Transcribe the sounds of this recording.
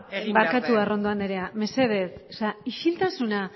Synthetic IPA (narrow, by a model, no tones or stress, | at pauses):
baɾkat̪uaro̞nd̪o̞and̪eɾe̞ame̞se̞ð̞e̞so̥saiʃilt̪asuna